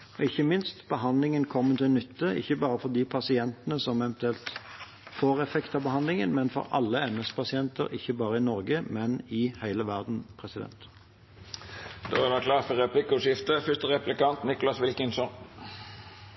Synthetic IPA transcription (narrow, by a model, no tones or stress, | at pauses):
ɔɪçːəmɪnst̪b̥əɦɑnlɪŋənkʰɔmːət̪ʰɪnʏt̪ʰːəɪ̰çːəbɑːɾəfɔʁd̪ipʰɑsɪɛnt̪ənəsɔmɛʋɛnt̪ʉɛlt̪ | foːʁɛfɛkt̪ʰɑbəhɑnlɪŋə̰nmɛnfɔ̰ɾɑ̰lːəɛmɛspʰɑsɪɛnt̪əɾɪ̰çːəbɑːɾəɪnɔʁɡəmɛnɪhæɪləʋæʁd̪n̩pʰʁɛsɪd̪ɛ̰nt̪ | d̪̥ɛʋækʰlɑːt̪fɔʁɛplɪkʊʂɪft̪əfʏst̪əʁɛplɪkɑnt̪nɪkʊlɑsʋɪlkənsɔn